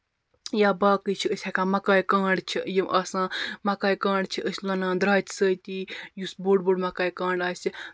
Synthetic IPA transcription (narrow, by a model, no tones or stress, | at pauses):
jaːbaːkɨt͡ʃʰiəsʲakaːmɐkaːjkaːɳɖt͡ʃʰijiʔɐsãːmɐkaːjkãːɳɖt͡ʃʰiʔəsʲlɐnãːd̪ɾaːt͡ʃsəjt̪iːjusboːɖboːɽmɐkaːjkaːɳɖaːsʲi